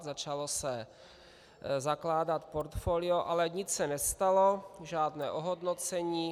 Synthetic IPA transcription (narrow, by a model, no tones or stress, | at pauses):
zat͡ʃalo̞sɛ | zaklaːdat̪poɾt̪foːlɪoʔalɛɲɪt͡ssɛnɛst̪alo̞ʒaːdnɛːʔoɦodnot͡sɛɲiː